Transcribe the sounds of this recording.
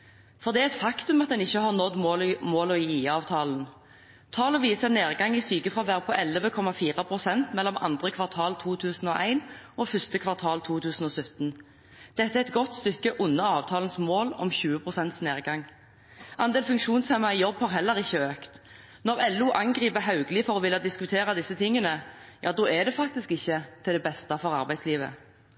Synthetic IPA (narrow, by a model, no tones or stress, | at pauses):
fɔʁd̪ɛæɛt̪fɑkt̪ʉmɑt̪̚d̪ɛnɪçːəhɑʁnɔd̪moːlmoːlɔjiːiːɑːʋt̪ʰɑːlən̩ | t̪ʰɑːlɔʋiːsəneːʁɡɑŋiːsyːkəfʁɑːʋæːʁpʰɔʔɛləʋəkʰɔmɑfiːʁɑpʰʁʊsɛnt̪mɛlːɔmʔɑ̰nd̪ʁəkʰʋɑʁt̪ʰɑːlt̪ʰuːt̪ʰʉːsn̩oːʔæɪnɔfʏst̪əkʰʋɑʁt̪ʰɑːlt̪ʰuːt̪ʰʉːsn̩oːsʉt̪n̩ | d̪̥ɛt̪ːəæɛt̪̚ɡɔt̪st̪ʏkːəʔʊnːəɑːʋt̪ʰɑːln̩smoːlɔ̰mçʉːəpʰʁʊsɛnt̪sneːʁɡɑŋː | ʔɑnd̪eːlfʉŋkʃʂuːnsheːmɑijɔbːhɑːʁɦɛlːəɾɪçːəøːkt̪ | nɔʁɛluʔɑŋɡʁiːpəɦɑʉɡlɪfɔɾɔʋɪlːɑd̪ɪskʉt̪ʰeːɾɑd̪ɪsːət̪ʰɪŋːənəjʔɑ̰ːd̪oːɛd̪ɛfɑk̚t̪ɪskɪçːət̪ʰɪld̪ɛbɛst̪ɑfɔʁɑʁbæɪsliːʋə̰